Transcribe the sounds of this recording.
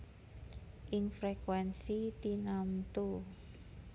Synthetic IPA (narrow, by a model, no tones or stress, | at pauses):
ʔɪŋfɾekwɛnsit̪inamt̪u